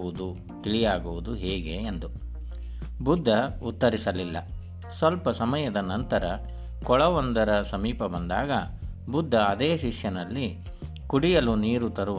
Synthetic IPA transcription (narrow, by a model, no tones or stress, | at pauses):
ud̪u | t̪iɭijaːɡuʋud̪uɦɛːɡe̞ːnd̪u | bud̪ʱːɐut̪ːɐɾisɐlilːɐ̰ | sʋɐlpɐsɐmɐjɐd̪ɐnɐnt̪ɐɾɐ | kɔɭɐʋond̪ɐɾɐsɐmiːpɐbɐnd̪a̰ːɡɐbud̪ʱːɐːd̪eːʃiʂjɐnɐlːi | kuɽijɐluniːɾut̪ɐɾuʋ